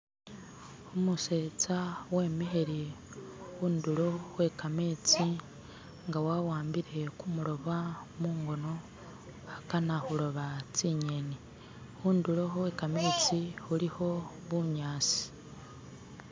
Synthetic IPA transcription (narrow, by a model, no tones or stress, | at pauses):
omuse̞t͡sawe̞ːmiɦeɾi | wuːndulo̞we̞kame̞ːt͡si | ŋɡawawaːmbiɾe̞kumuɾo̞βamuːŋɡo̞no̞ | akanahuɾo̞βat͡siɲe̞ni | uːndulo̞we̞kame̞ːt͡sihuliho̞ | βuɲaːt͡si̥